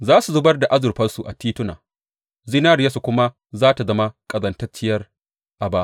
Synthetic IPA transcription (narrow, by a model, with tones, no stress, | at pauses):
zaː˦su˨zʊ˦bɐ˦rda˨ʔa˦zʊ˨rɸɐ˦rsu˨ʔa̰˨tiː˦tʊ˦na̰ː˨ | zi˦naː˦ɾɪ˨ja˦su˨kʷʊ˦ma˦ | zaː˦ta˨zɐ˦ma˦kʼɐ˨zɐ˨ntɐ˦t͡ʃɪ˦jɐ˦r | ʔa˨baː˦ʔ